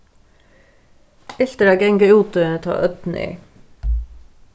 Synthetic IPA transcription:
ɪɬt̪əɾæːɡɛŋɡəuːt̪əənət̪ʰɑ̰ːʔœt̪n̩ʔḭː

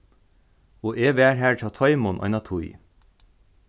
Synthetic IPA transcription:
oːʔeːʋæːɹɦæːɹʈʰɑːt̪ʰɔɪmʊnʔɔ̰ɪnɑːt̪ʰʊɪ

